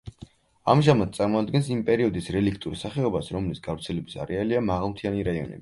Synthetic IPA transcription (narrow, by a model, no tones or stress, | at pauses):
amʒamat̪̚sʼaɾmɔad̪ɡɛnsimpʼɛɾiɔd̪isɾɛlikʰt̪ʼuɾsaχɛɔbasɾɔmlisɡavɾt̪sʰɛlɛbisa̰ɾɛaliamaʁalˠmt̪ʰianiɾaiɔ̰nɛ̰bi